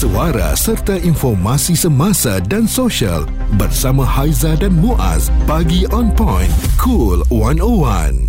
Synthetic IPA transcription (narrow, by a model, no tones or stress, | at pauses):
səwaɾa̰sərt̪ainfɔrmãsisəmãsadansoʃia̰l | bərsamãhajzadanmuʔa̰sbaɡiʔɔ̃npɔ̃jnkʰulwanowa̰n